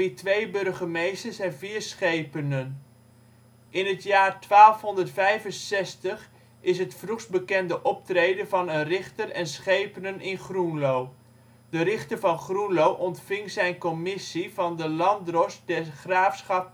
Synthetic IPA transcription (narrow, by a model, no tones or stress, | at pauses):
itʋejbɵrχəmejstəɹsɛnviːɹsχejpənən | ɪnɦətjaːrtʋaːlˠfɦɔndəɹtfɛjvənsɛstəχ | ɪsɦətfruχsbəkɛndəʔɔp̚trejdənvɑnənrɪχtərɛnsχejpənənʔɪnχrunlow | dərɪχtəɹvɑnχrunlowʔɔntfɪŋzɛjnkɔmɪsivɑndəlɑndrɔsdɛχraːfsχɑp̚